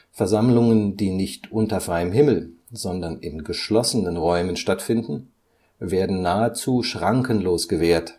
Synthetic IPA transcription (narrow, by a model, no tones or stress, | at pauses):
fɛɐzamlʊŋəndiːnɪçtʔʊntɐfʁ̥aɪəmɦɪml̩ | zɔndɐnɪnɡəʃlɔsənənʁɔʏmənʃtatfɪndn̩ | veːɐdn̩naːət͡suːʃʁ̥aŋkənloːsɡ̥əveːɐt